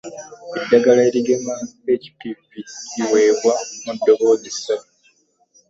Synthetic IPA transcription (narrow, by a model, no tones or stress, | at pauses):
edːaɡalaeɾiɡemabeci̥pifiiwe̞ːβwamudːo̞βoːzisa